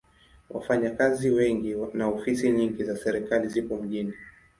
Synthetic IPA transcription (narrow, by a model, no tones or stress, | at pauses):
wʔa̰faɲakaziwɛŋɡinaɔfisiɲiŋɡizasɛɾikalizipɔm̩ʄini